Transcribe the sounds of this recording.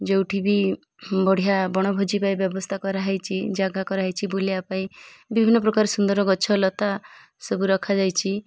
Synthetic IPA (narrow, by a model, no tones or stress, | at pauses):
d͡ʒewʈʰibi | bɔɽ̤ijabɔɽ̃ɔbʱod͡ʒipaibjɔbɔst̪ʰakɔɾaɦajt͡ʃʰid͡ʒaɡakɔɾaɦajt͡ʃʰiboliapaĩbibʱinːɔpɾɔkaɾesund̪ɔɾɔɡɔt͡ʃʰɔlɔt̪a | sebuɾɔkʰad͡ʒajt͡ʃʰi